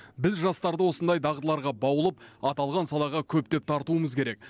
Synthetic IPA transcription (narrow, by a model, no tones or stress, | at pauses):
bɪzʒɑst̪ɑɾd̪əwo̞sənd̪ɑjd̪ɑʁt̪əlˠɑɾʁɑbɑwəlˠəp̚ɑt̪ɑlˠʁɑnsɑlˠɑʁɑkʲʰɵp̚t̪e̞p̚t̪ʰɑɾt̪uəməzkʲʰe̞ɾe̞k̚